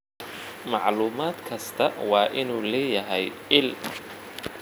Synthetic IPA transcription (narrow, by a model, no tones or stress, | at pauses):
mɑʕluːmaːd̪kʰɐst̪ʰɐwɑːʔɪnuːlɛːjɐɦɛj | ɪl